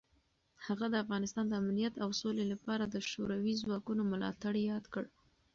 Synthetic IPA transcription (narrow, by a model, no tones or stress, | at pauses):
haɣad̪əafɣɑnɪst̪ɑnd̪əamlijat̪awsolelapɑɾad̪əʃoɾawizwɑkunomʊlɑ̰t̪aɽjɑd̪kəɽ